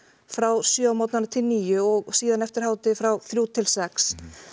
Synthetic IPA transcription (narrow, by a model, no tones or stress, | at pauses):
fɾawsjœmɔt̪nanat̪ʰɪlniːjʏɔɣsiːðanɛft̪ɪɾ̥haːwt̪ɪfɾawθɾjuːt̪ʰɪlsɛks